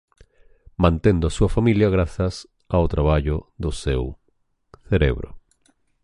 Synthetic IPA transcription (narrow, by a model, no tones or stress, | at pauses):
mãnt̪end̪ʊasuɐfamiljaɣɾaθɐs | awt̪ɾaβ̞aʎʊðʊsew | θeɾḛβɾʊ̰